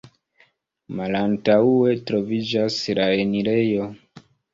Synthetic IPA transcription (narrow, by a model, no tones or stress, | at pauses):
malantaue̞tɾo̞vid͡ʒaslae̞niɾe̞jo̞